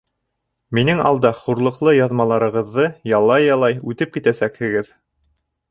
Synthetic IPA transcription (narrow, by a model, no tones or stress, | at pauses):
minɘŋɑ̰lˠd̪ɑχuɾlˠɤ̆qlˠɤjɑðmɑlˠɑɾɤ̆ʁɤ̆ðːɤjɑlˠːɑjɑlˠɑjʉt̪ɘp̚kit̪æsækhɘ̆ɡɘð